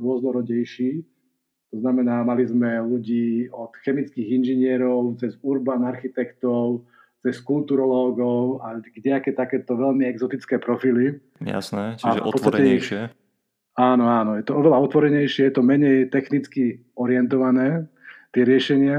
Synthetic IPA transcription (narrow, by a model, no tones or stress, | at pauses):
ɾʊɔznɔɾɔɟɛjʃiː | t̪ɔznamɛnaːmalizmɛluɟiːɔt̪xɛmit͡skiːɣinʒiɲɪɛɾɔʊt͡sɛzuɾbaːnaɾxit̪ɛkt̪ɔʊ | t͡sɛskult̪uɾɔlɔːɡɔʊaɡɟɛakɛːt̪akɛːt̪ɔʋɛʎmiɛɡzɔt̪it͡skɛːpɾɔfili | a̰snɛafpɔt͡st̪aɛix | aːnɔaːnɔjɛt̪ɔɔʋɛlaɔt̪ʋɔɾɛɲɛjʃɪɛjɛt̪ɔmɛɲɛjt̪ɛxnit͡ski | ɔɾɪɛnt̪̬ɔʋanɛːt̪ɪɛɾɪɛʃɛɲɪa